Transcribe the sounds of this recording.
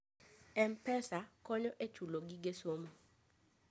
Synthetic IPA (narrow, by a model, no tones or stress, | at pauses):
ɛmpɛsakɔɲɔʔet͡ʃuloɡiɡesomo